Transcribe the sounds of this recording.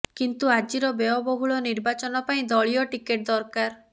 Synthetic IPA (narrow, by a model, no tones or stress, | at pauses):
kint̪uad͡ʒiɾɔbeɔbɔɦuɭɔniɾbat͡ʃɔnɔpaĩd̪ɔɭijɔʈikeʈ̚d̪ɔɾkaɾ